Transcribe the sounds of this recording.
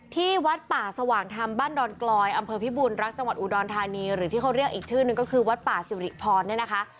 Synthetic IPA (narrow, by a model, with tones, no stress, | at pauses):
t̪ʰiː˥˩wa˦˥t̪̚paː˨˩sa˧waː˩˦ŋt̪ʰa˧mbaː˥˩ndɔː˧nklɔː˧jʔa˧mpʰɤː˧pʰiː˦˥buː˧nɾa˦˥k̚t͡ɕa˧ŋwa˨˩t̪̚u˨˩dɔː˧nt̪ʰaː˧niː˧ɾɯː˨˩˦t̪iː˥˩kʰa˦˥wɾi˥˩ək̚ʔiː˨˩k̚t͡ɕʰɯː˥˩nɯ˨˩ŋkɔː˥˩kʰɯː˧wa˦˥t̪̚paː˨˩si˨˦ɾḭ˨˩pʰɔː˧nːi˥˩ɐna˦˥kʰa˦˥ʔ